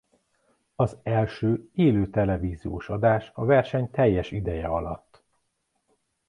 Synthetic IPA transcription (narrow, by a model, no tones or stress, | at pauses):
ɒzɛlʃøːeːløːt̪ɛlɛviːzioːʃɒd̪aːʃɒvɛrʃɛɲt̪ɛjːɛʃid̪ɛjɛɒlɒ̰t̪ː